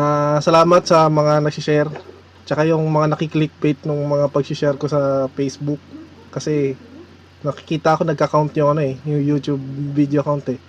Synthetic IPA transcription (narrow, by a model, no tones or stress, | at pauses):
asɐlaːmɐt̪̚sɐmɐŋanɐɡ̚sɪʃɛɾ | t͡ʃɐkajʊŋmɐŋanɐkɪklɪk̚bejt̪̚nʊŋmɐŋapɐɡsɪʃɛɾko̞sɐpejsbʊk̚ː | ɐsɛ | nɐkɪ̥kiːt̪ɐʔɐko̞nɐɡ̚kɐkant̪jʊŋɐno̞ɛjʊŋjut̪jub̚ːid̪ejoɐkawnt̪ɛ